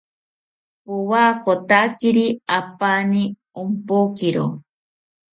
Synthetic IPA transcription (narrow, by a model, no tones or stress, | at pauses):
puwaːkot̪akiɾiapani | umpokiɾo̰